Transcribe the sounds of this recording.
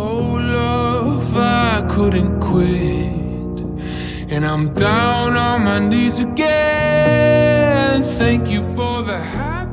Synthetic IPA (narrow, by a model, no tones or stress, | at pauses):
oʊlʌvakʰʊɾⁿn̩kʰw̥ɪ | t | ɨ̃nãɪ̃mdãʊ̃nənmaɪnizɨɡɛ | nθæ̃ŋkjɨfə˞ðɨhæ